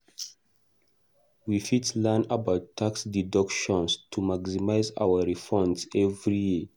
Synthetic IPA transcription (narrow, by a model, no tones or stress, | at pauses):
wifitlɛnabaʊtʰːaksdidɔkʃɔ̃nstʰumaɡsimaɪza̰wəɹifɔ̃ndsɛvɹiji